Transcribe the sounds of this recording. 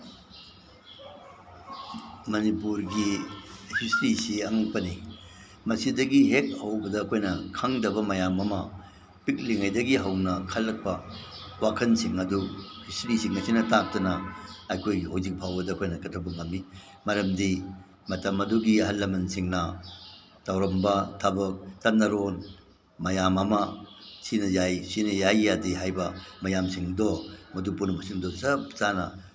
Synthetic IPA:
mɐnipuɾɡihisɾisiɐŋuk̚pɐni | mɐsidɐɡiɦek̚hɐwbɐdɐːkʰojnɐkʰaŋdɐbɐmɐjamɐmɐ | pik̚liŋajdɐɡiɦɐwnɐkʰɐlːɐk̚pɐ | wakʰɐnsiŋɐduhisɾisiŋmɐsinɐtak̚tɐnɐːjkʰojɡiɦawzik̚pʰawbɐdɐkʰojnɐkɐtʰɐbɐŋɐmːi | mɐɾɐmdi | mɐtɐmɐduɡiɦɐlːɐmɐnsiŋnɐ | tɐwɾɐmbɐtʰɐbɐk̚tanɐɾon | mɐjamɐmɐsinɐjajsinɐjajːadiɦajbɐmɐjamsiŋdɔmɐdupunɐmɐsiŋdɔsɐp̚zanɐ̰

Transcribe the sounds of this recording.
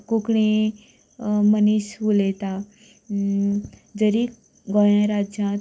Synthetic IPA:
kokɳ̃e | mənisʋulet̪a | d͡zəɾi | ɡɔj̃ãɾad͡ʑjã

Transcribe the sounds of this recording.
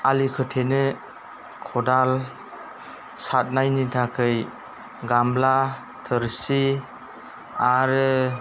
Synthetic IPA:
alikʰɯtʰenɯ | kʰɔdal | sat̚najnitʰakʰɯj | ɡamla | tʰɯɾsi | aɾɯ

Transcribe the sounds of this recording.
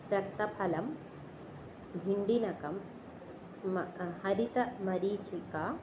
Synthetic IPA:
pɾɐk̚t̪ɐpʰɐlɐm | bʱiɳɖinɐkɐm | hɐɾit̪ɐmɐɾiːt͡ʃikaː

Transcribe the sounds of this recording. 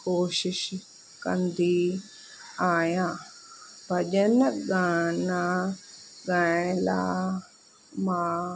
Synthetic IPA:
koːʃɪʃ | kɐ̰nd̪iː | aːjãː | bʱɐd͡ʒənɡaːnaː | ɡãːla̰ː | mãː

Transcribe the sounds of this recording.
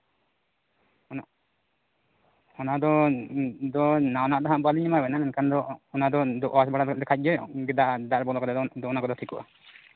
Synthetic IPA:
na | ɔnaʔd̪ɔ | d̪ɔnanaʔd̪ɔɦãʔbaliɲimabɛnanɛnkand̪ɔɔnad̪ɔd̪ɔʔasbaɽad̪ɛkʰac̚ˀd͡ʒɔɡɛd̪aʔd̪aʔɾbɔlɔkɔd̪ɛd̪ɔd̪ɔɔnakɔd̪ɔt̪ʰikuʔa̰

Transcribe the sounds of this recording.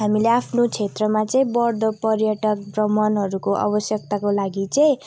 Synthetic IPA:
ɦamileapʰnot͡sʰet̪rʌmat͡sʌĩbʌrd̪ʌpʌrjʌʈʌk̚brʌmʌnɦʌɾukoʔa̰bʌsjʌk̚t̪akolaɡit͡sʌĩ

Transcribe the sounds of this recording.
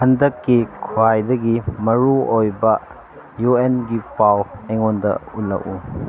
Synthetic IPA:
hɐndɐkːikʰuajdɐɡimɐɾuojbɐ | juenɡipawejŋondɐ̰ulːɐ̰ʔu

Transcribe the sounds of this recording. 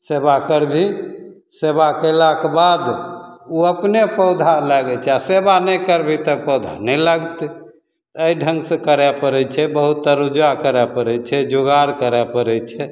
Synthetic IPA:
sebakəɾbʱi | sebakəlakebad̪uəpnepəwd̪ʱalaɡɛt͡ʃʰɛasebanɛkəɾbʱit̪əpəwd̪ʱanɛlaɡt̪ | əiɖʱə̃ŋɡsẽkəɾɛpəɾɛt͡ʃʰɛbəɦut̪ːəɾud͡ʒakəɾɛpəɾɛt͡ʃʰɛd͡ʒoɡaɾkəɾɛpəɾɛt͡ʃʰɛ

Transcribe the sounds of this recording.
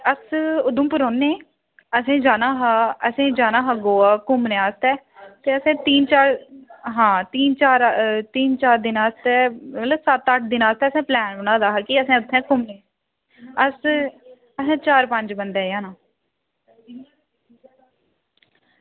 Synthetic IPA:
əsʊd̪ũːpəɾoːnẽː | əsẽːd͡ʒaːnaːɦaːəsẽːd͡ʒaːnãːɦaːɡoːaːkʊmnẽːaːst̪ɛː | t̪eːəsẽːt̪iːnt͡ʃaːɾɦãːt̪iːnt͡ʃaːɾt̪iːnt͡ʃaːɾd̪ɪnaːst̪ɛːmət̪ləbsət̪əʈ̚ʰd̪ɪnaːst̪ɛːəsẽːplɛːnənãːd̪aːɦaːkiəsẽːʊt̪ʰːɛ̃ːkʊmnẽː | əs | əsẽːt͡ʃaːɾpə̃ɲd͡ʒbənd̪ɛːjaːnãː

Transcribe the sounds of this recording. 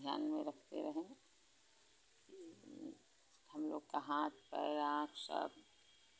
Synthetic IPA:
ja̰ːnmẽɾəkʰt̪ḛɾəɦẽ | ki | həmlo̰ːɡkaɦãːt̪̚pɛɾãːkʰsə̰b

